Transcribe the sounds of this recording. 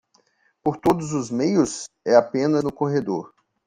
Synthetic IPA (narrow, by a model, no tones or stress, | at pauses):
poɾt̪od̪ʊzʊzmejʊs | ɛapẽnɐnʊkoɦed̪oɾ